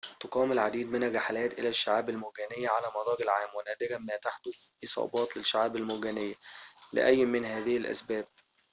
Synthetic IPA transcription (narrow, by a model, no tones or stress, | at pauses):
t̪oqɑːmɪlʕad̪iːd̪̚mɪnːæɡæħalæːt̪ʔɪ̰læʃːaʕaːbælmʊɡæːnɪjːæʕalæːmɑd̪ˤɑːɡɪlʕaːmwenæːd̪ɪɡæmæːt̪aħt̪ʊʔesˤɑ̰ːbɑːt̪lɪʃːaʕaːbælmʊɡæːnɪjːælɪ̰ʔæjːmɪnɦæːðɪhɪlʔæ̰sbæːb̚